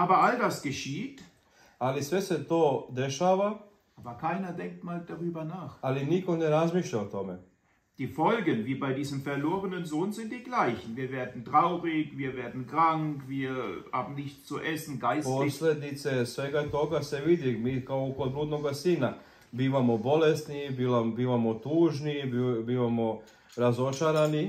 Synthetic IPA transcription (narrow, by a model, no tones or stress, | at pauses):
ʔaːbɐaldasɡ̥əʃiːt | alisʋe̞se̞t̪oːd̪eʃaːʋa | aːbɐkʰaɪnɐdɛŋk̚tmaːld̥aʁyːbɐnaːχaliniko̞neɾazmiʃʎaot̪o̞me | d̥iːfɔlɡənviːbaɪdiːzəmfɛɐloːʁənənzoːnzɪnt̚d̥iːɡlaɪçn̩viːɐveːɐd̪n̩tʁaʊʁɪkviːɐveːɐdn̩kʁ̥aŋkviːɐhaːbm̩nɪçt͡suʔɛsn̩ɡaɪsposled̪it̪se̞sʋeːɡat̪o̞ɡaseʋid̪imiːkaookod̪bluːd̪noɡasiːna | biːʋamobo̞lest̪nibiabiːʋamot̪uːʒnibbiːʋamo | ɾazo̞t͡ʃaɾani